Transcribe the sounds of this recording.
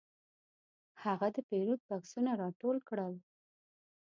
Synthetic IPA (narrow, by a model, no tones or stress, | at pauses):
haɣad̪əpeɾuk̚baksunaɾɑʈolkɽəl